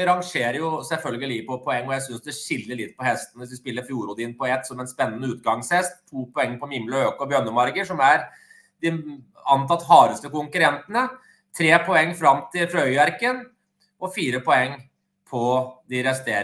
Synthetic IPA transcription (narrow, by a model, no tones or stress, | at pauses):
ɾɑŋʂeːɾəjʊsɛlfœlɡəlɪliːpɔpʰɔɛŋːɔjæɪsʏnsd̪ɛʂɪlːəɭɪt̪ːpɔhɛst̪nʋɪsʋ̪ɪspɪlːəɾfjuːɾuːd̪ɪnpɔɛt̪ːsɔmɛnspɛnːənəʉːt̪̚ɡɑŋshɛst̪ʰːuːpʰɔɛŋːəpɔmɪmləøːkɔbjœnːəmɑɾɡəʂɔmæɾ | d̪ɪ | ɑnt̪ʰɑt̪ːhɑːɾəst̪əkʊŋkʉɾɛnt̪ənə | t̪ʰɾeːpʰɔɛŋːfɾɑmt̪ʰɪlfɾœʏʋæɾkən | ʔɔfiːɾəpʰɔɛŋː | pʰɔd̪ɪɾɛst̪eːɾ